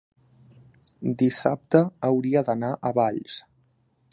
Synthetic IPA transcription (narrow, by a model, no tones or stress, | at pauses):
d̪isa̰p̚t̪əːwɾiəd̪ənaʔəβaʎs